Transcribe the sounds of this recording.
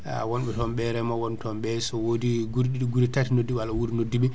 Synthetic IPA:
wɔnɓɛtɔmɓɛɾɛmɔwɔntʰɔmɓɛsɔwodiɡuɾɗiɗɡuɾitatinodːiwalawuɾnodːiɓi

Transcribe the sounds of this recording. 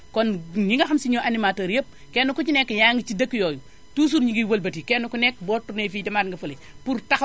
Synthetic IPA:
kɔnɲiŋɡaxamsiɲoʔanimaːtoɾjep̚ | kenukut͡ʃinekːjaŋɡit͡ʃidɐkːijoju | tus̬uɾɲiɡiwɐlbɐtikenːukunekboːtːuɾnefiːdɐmaːdŋɡɐfɐli | puɾtax

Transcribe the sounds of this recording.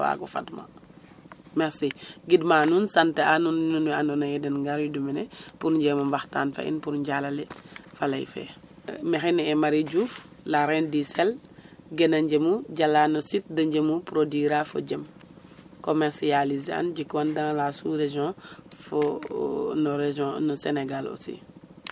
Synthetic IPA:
wa̰ɡɔfa̰tma̰ | mɛɾsiɡidmaːnunsanteanunnunanɔnajɛdɛnŋɡaɾjudumɛnɛpuɾɟɛmɐmbaxta̰ːnfa̰ḭnpuɾɲɟalalɛfalɐ̰jfɛ̰ | mɛxinɛmaɾiɟuːflaɾɛndisɛlɡɛnɐɲɟəmuɟalaːnɔsit̚dɐɲɟəmupɾodiɾafɔ̰ɟɐm | komɛɾsializa̰nɟikːɔndaŋlasuɾeʒjɔ̃fɔ | nɔɾeʒɔ̃nɔsɛnɛɡalɔ̰sḭ

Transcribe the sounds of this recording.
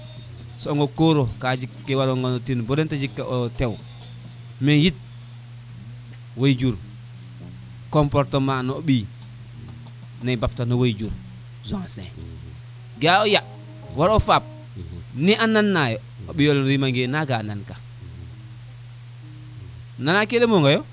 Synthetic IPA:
sɔŋɡokoɾokad͡ʒikːewaɾoŋɡontinbodentad͡ʒikːaʔotew | mejit̚ | wojd͡ʒuɾ | kompoɾtomanoɓi | nabap̚tanawojd͡ʒuɾ | zoŋsḛ̃ | ɡaoja | waɾofap̚ | niʔanːanːajo | oɓioljimaŋɡenaɡaːnanka | nanakelemoŋɡajo

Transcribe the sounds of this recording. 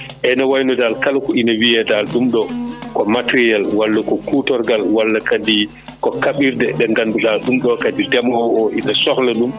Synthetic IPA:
ʔɛnawajnɔdalkalkuinawijɛdalɗumɗɔkɔmatɾijalwalːakɔkutɔɾɡalwalːakadi | kɔkaɓiɾdɛɗɛŋɡanduɗalɗumɗɔkadidɛmhɔɔʔinasɔxlɛɗum

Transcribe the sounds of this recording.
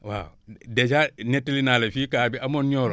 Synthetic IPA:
wa̰dɛt͡ʃanetːilinaːlefikaːbiamonɲoːlo

